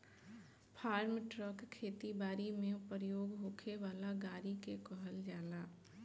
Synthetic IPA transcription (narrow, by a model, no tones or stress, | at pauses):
pʰaːɾmʈɾəkkʰːeːt̪ibaːɾimẽpɾəjoːɡɦoːkʰeʋaːlaɡaːɾikekɔɦəld͡ʒaːlaː